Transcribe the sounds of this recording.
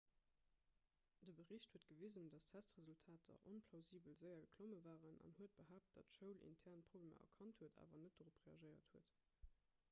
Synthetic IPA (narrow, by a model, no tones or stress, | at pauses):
d̥əbəʁiɕthuət̚ɡ̥əvizəndɑstʰæstʁəzultʰaːtʰɐ̰ʔonpʰlɑʊziːbəlzəɪɐɡəkʰloməvaːʁənɑ̰nhuət̚b̥əɦaːp̚t̚d̥ɑtʃəʊlʔḭntʰɛʁnpʁ̥obleːmɐ̰ʔɐ̰kʰɑnthuəta̰ːvɐnət̚d̥oʁopʁeɑʒəɪɐthuət